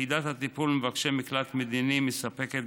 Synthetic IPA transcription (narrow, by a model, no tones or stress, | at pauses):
id̪at̪hat̪ipulmevakʃemiklat̪med̪inimesape̞ket̪̚